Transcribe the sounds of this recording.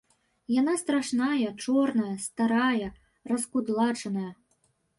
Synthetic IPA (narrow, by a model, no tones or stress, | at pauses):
jan̪ast̪ɾaʂnajɐt͡ʂɔrnɐjɐst̪aɾajɐ | rɐskud̪lˠat͡ʂɐnɐjɐ